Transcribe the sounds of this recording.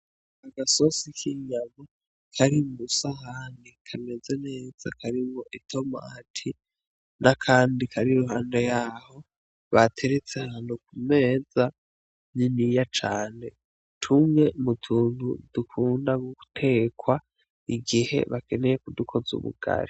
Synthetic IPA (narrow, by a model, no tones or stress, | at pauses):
aɡaso̞sikʰiɲama | kʰaɾimusahanikʰane̞zene̞ːz̥a̰kʰaɾimoʔitʰo̞ma̰ːtʰi | nʔakʰaːndikʰaɾiɾuɦaːndejaːho̞ | βatʰe̞ɾet͡se̞haːnhukume̞ːza | ninijat͡ʃaːne̞ | tʰumŋe̞mutʰuːŋud̥ukʰuːndaɡuku̥tʰe̞ːkwa | iɡihe̞̰βake̞nejekudukʰo̞zṵβṵɡ̥a̰ɾi